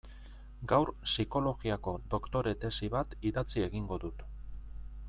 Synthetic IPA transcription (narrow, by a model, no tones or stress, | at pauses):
ɡawɾsiko̞lo̞ɣiako̞d̪o̞kt̪o̞ɾe̞t̪e̞siβat̪iðat͡sie̞ɣiŋɡo̞ðut̪